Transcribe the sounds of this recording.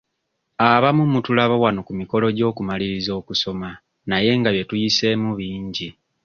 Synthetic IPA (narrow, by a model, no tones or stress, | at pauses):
aβamumutulaβawano̞kumiko̞lo̞ɟo̞ːkumaliɾizo̞ːkuso̞ma | naje̞ŋɡaβje̞tujise̞muβiːɲɟi